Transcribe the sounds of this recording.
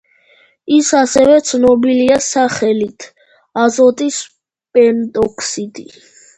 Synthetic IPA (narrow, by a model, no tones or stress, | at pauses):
isasɛvɛt̪sʰnɔbiliasaχɛlit̪ʰ | azɔt̪ʼis | pʼɛnt̪ʼɔkʰsid̪i